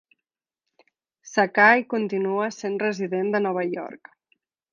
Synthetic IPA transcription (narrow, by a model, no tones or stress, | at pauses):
sakajkunt̪inuəsenrəziðend̪ənɔβ̞əjɔ̰ɾk